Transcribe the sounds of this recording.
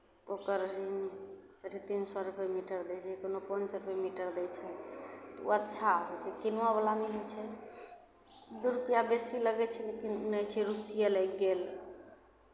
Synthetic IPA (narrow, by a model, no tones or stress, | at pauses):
t̪okəɾɾinsəɾit̪insɔɾupemiʈəɾd̪ɛt͡ʃʰɛkonopənd͡ʒsɔɾupemiʈəɾd̪ɛt͡ʃʰɛt̪ɔuətːʃʰaɦɔɛt͡ʃʰɛkinwabalamiɦojt͡ʃʰɛ | d̪uɾupijabesiləɡɛt͡ʃʰɛlekinnɛt͡ʃʰɛɾusijelɛjkɡel